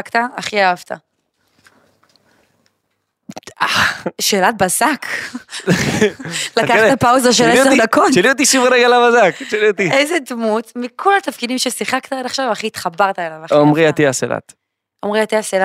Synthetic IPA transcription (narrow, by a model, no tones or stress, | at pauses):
kt̪aaχiaavt̪ʰa | aʃeːlat̪̚bazak | lakat̪apawzaʁʃelesd̪akotʃeliot̪̬iʃiveʁeɡalavazakt͡ʃeliot̪iezedmut̪mikʰolat̪afkidimʃesiχakt̪aedaχʃavaχiːt̪χabaʁt̪aelavaχomʁiat̪iasela̰t̪ | omʁiat̪iasela